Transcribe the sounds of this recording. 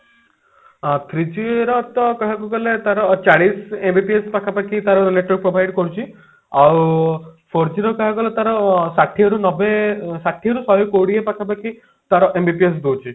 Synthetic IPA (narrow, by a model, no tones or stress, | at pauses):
t̪ʰɾid͡ʒueɾɔt̪ɔkɔɦakuɡɔlet̪aɾɔt͡ʃaɽisembʱipiespakʰapakʰit̪aɾɔleʈɾik̚pɾobʱajɖkɔɾut͡ʃʰi | awpʰoɾd͡ʒiɾɔkɔɦaɡɔlet̪aɾɔsaʈʰiɔɾunɔbesaʈʰiɔɾusɔjɔkoɽiepakʰapakʰi | t̪aɾɔʔembipies̬d̪owt͡ʃʰi